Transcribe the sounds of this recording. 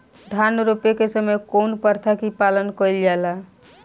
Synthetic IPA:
d̪ʱanɾupekesəməjkonpəɾt̪ʰakipalənkəɪld͡ʒala

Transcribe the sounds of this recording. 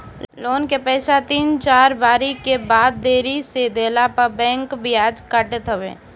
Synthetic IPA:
loːnkepɛːsat̪iːnt͡ʃaːɾbaːɾikebaːd̪̚ːeːɾised̪eːlapəbɛ̃ːŋkbɪjaːd͡ʒkəʈt̪əʋḛː

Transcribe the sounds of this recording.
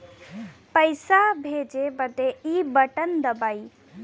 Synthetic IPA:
pəjsabʱeːd͡ʒebəd̪eibəʈənd̪əbaːi

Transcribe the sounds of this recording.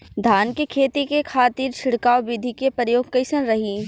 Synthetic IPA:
d̪ʱaːnkikʰeːt̪ikekʰaːt̪iːɾʃʰɪɽkaːʋwʋɪd̪ʱikepɾəjoːɡ̚kɐɪsənɾɐɦiː

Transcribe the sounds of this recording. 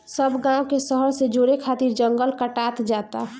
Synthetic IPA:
səbʱɡãwkesəɦəɾsed͡ʒoːɾekʰat̪iɾd͡ʒə̃ŋɡəlkəʈat̪d͡ʒaːt̪a

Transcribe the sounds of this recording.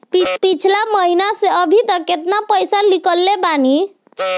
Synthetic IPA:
pipit͡ʃʰlaməɦinaseəbʱit̪əkːet̪napəjsalikəlːebani

